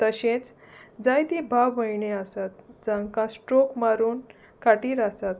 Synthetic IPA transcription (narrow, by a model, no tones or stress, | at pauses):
t̪əɕẽt͡s | d͡zajt̪ĩbʱaʋːəjɳeasat̪d͡zãŋkãsʈɾokmaɾuːn | kaʈiːɾasat̪̚